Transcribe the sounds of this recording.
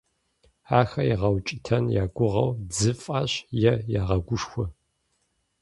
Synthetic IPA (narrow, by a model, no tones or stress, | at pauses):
aːxɐjiʁɐwt͡ʃʼɪtʰɐnjaːɡʷʊʁɐ̰wd͡zɨfʼɐɕjɛjaːʁɐɡʷʊʂxʷɔ